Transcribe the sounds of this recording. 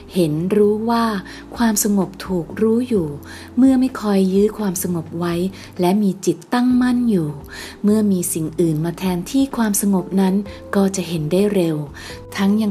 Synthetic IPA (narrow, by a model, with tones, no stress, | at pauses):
he˩˦nɾuː˦˥waː˥˩ | kʰwaː˧msa˧ŋo˨˩p̚t̪ʰuː˨˩k̚ɾuː˦˥juː˨˩ | mɯ˥˩ɐma˥˩jkʰɔ˧jːɯː˦˥kʰwaː˧msa˧ŋo˨˩p̚wa˦˥j | lɛ˦˥miː˧t͡ɕi˨˩t̪ːa˥˩ŋma˥˩njuː˨˩ | mɯ˥˩ɐmiː˧si˨˩ŋʔɯː˨˩nmaː˧t̪ʰɛː˧nt̪ʰiː˥˩kʰwaː˧msa˧ŋo˨˩p̚na˦˥nkɔː˥˩t͡ɕa˨˩ʔɦe˩˦ndaː˥˩jɾe˧w | t̪ʰa˦˥ŋja˧